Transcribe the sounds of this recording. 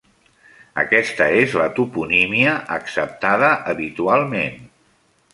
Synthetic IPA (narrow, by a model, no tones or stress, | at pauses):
ə̰kɛst̪əezlət̪upunimiəʔəksəp̚t̪aðəʔəβit̪ualˠmen